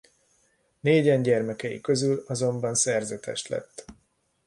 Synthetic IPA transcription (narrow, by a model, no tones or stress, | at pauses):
neːɟɛɲɟɛrmɛkɛjḭkø̞zylɒzo̞mbɒnsɛrzɛt̪ʰɛ̰ʃlɛ̰t̪ː